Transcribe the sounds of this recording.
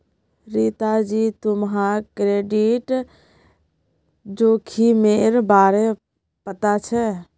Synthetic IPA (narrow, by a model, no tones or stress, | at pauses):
ɾit̪ad͡ʒiːt̪ʊmɦaɾkɾeːɖiʈ | d͡ʒoːkʰimeːɾbaːɾe | pət̪at͡ʃʰɛ